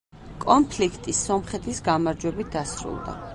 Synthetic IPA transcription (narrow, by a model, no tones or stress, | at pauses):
kʼɔnpʰlikʰt̪ʼisɔmχɛt̪ʰʼisɡamaɾd͡ʒwɛbit̪̚ʰd̪asɾṵlˠd̪a̰